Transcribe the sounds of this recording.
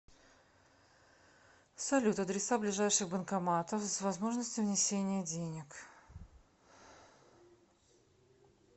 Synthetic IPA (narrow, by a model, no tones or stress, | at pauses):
sɐlʲut̪ɐd̪ɾʲɪsablʲɪʐajʂɨxbənkɐmat̪əfsvɐzmo̞ʐnəsʲtʲʊvnʲɪsʲenʲɪjədʲenʲɪk